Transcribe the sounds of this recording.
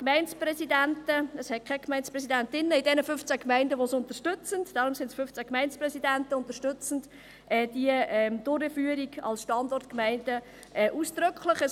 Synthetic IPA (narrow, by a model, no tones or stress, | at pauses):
kmæɪnt͡spɾɛsidæntəəshɛt̚kʰɛkmɛɪnspɾɛsidæntɪnːəɪdɛnəfʏnft͡sækmæɪndəʋosʊntəʃtɵt͡səntd̥ɑɾʊmsɪndsfʏft͡sækmæɪnt͡sprɛsidæntəʊnt̪əɾʃtʏt͡sən̩d | ʔɛːd̥iəɛmd̥ʊɾəfyəɾiɡɑ̰lsʃtɑndɔrtkmæɪndə | ʔɛʔuːsd̥ɾɵkχləχəs